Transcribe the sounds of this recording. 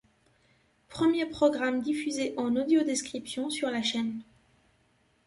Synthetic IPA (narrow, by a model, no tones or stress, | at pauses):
pχəmjepχɔɡʁamd̪ifyzeʔɑ̃nod̪jod̪eskχipsjɔ̃syʁlaʃɛn